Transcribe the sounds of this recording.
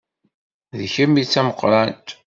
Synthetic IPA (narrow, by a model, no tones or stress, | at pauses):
ðçəmːit͡sːæməqːɾˤænt̪